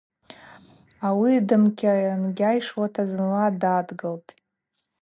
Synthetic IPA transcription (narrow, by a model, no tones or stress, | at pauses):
awidɨmkʲʰʼaanɡʲajʂwatʰazɨnladadɡɨltʼ